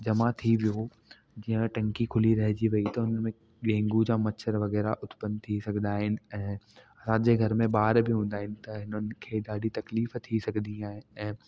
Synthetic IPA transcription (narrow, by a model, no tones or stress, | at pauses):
d͡ʑɐmat̪ʰiʋijo | d͡ʑiːə̃ʈɐ̃ŋkikʰʊliɾɐɦɪd͡ʑiʋɐit̪ɐʊnəmẽ | ɡẽːŋɡud͡ʑaːmɐt͡ɕʰəɾʋɐɣɛːɾaʔʊt̪pənt̪ʰisɐɡʱnaːɦɪnɪ̆ɛ̃ːɐsãːd͡ʑeːɡʱɐɾmẽbaːɾbɪɦũːn̆d̪aːɦɪnɪ̆t̪ɐɦɪnənɪ̆kʰeːd̪aːɖit̪ɐkliːft̪ʰisɐɡʱd̪iĩaːɦɪnɛ̃ː